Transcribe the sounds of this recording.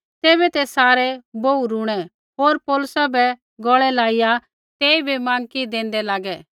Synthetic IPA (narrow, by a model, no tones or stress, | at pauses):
t̪eːbɛt̪ɛsaːɾɛbouɾuɽ̃ɛ | ɦoːɾpɔːlʊsabɛ | ɡɔːɭɛlaːɪja | t̪eːibʱimãːŋkid̪ẽːnd̪ɛlaːɡɛː